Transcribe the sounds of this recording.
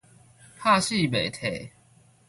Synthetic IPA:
pʰa˥˧ɕi˥˨be˨˩jt̪ʰe˨˩˦

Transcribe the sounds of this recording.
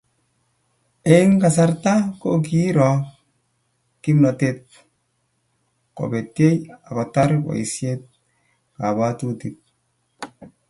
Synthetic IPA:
e˨i˦ŋka˨s̬a˦ɾta˦ko˦k̬i˦ɾɔ˨ | ki˦mna˨tet̚ | ko̰˨be˨te˦ja˨ba˨ta˦ɾba̰˨i˨sjet̚ | ka˨ba˦tu˦tit̚

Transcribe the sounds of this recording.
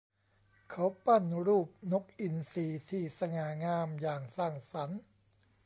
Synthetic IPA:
kʰa˨˦˥wpa˥˩nɾuː˥˩p̚no˦˥k̚ʔi˧nsiː˧˩t̪ʰiː˧˩sa˧ŋaː˨˩ŋaː˧mjaː˨˩ŋsaː˥˩ŋsa˩˦n

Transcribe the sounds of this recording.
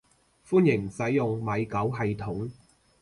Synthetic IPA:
fuː˥njɪ˨˩ŋsɐ˨˥jjʊ˨ŋmɐ˨˧jkɐ˨˥wɦɐ˨jt̪ʰʊ˨˥ŋ

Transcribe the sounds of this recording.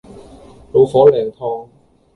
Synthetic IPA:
lo˨˧wfɔː˨˥lɛː˨˩ŋt̪ʰɔː˧ŋ

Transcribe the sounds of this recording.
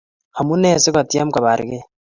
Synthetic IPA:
ha˨mu˦ne˦˨se˦ka˨t̪i˦a˦m˦ka˨βa˨ɾḭ˨ɡe˦

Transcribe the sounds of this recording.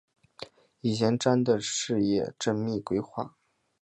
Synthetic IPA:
i˨˩ɕjɛ˧˥nʈ͡ʂa˥nd̪ə˨ʂɻ̩˥˧jɛ̰˥˩ʈ͡ʂə˥nmi˥˩kwe˥ɪxwa˥˩

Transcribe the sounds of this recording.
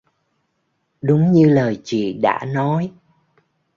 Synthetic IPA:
ɗʊ˨˦ŋ͡mɲɨ˧ləː˨˩jt͡ɕḭ˧˨ɗa̰ː˧˥nɔ˨˦j

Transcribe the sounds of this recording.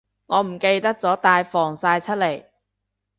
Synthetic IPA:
ŋɔː˨˧m̩˨˩ke˧jt̪ɐ˥k̚t͡sɔː˨˥t̪aː˧jfɔː˨˩ŋsaː˧jt͡sʰɐ˥t̚le˨˩j

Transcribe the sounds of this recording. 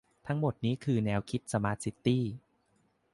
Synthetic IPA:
t̪ʰa˦˥ŋmo˨˩t̪̚niː˦˥kʰɯː˧nɛː˧wkʰi˦˥t̪̚sa˧maː˦˥t̪̚si˦˥t̪ːiː˥˩

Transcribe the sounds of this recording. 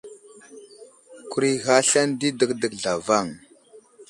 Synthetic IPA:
ku˨ɾi˦ɣa˦ɬa˦ndi˦də˨˦kdə˨kɮa˨va˦˨ŋ

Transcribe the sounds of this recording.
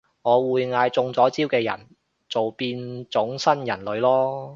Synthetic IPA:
ŋɔː˨˧wuː˨˧jŋaː˧jt͡sʊ˧ŋt͡sɔː˨˥t͡siː˥wkɛː˧jɐ̰˨˩n | t͡so˨wpiː˧nt͡sʊ˨˥ŋsɐ˥njɐ˨˩nlɵ˨˧ɥlɔː˥

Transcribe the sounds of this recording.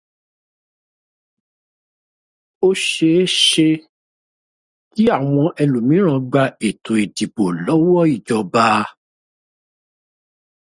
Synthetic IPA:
o˦ʃe˧˦ʃe˧ | ki˦a˦˨w̃ɔ̃˧ʔɛ˧lu˨mĩ˨˦ɾ̃ã˧ɡ͡ba˧e˨tʰo˨i˨di˨bo˨lɔ˨˦wɔ˦i˦˨d͡ʒɔ˨ba˧˦

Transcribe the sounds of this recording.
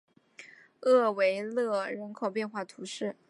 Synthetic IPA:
ɤ˥˩we˧˥ɪlɤ˥˩ɻə˧˥nkʰo˨˩ʊpjɛ˥˧nxwa˥˩t̪ʰu˧˥ʂɻ̩˥˩

